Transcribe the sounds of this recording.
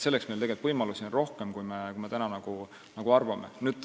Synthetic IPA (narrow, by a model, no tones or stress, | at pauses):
se̞lːeksmelt̪eɡelt̪vɤjmɑlusionro̞hkemkujmekujmet̪ænɑnɑɡ̥u | nɑɡ̥uɑrvɑmenyːd̪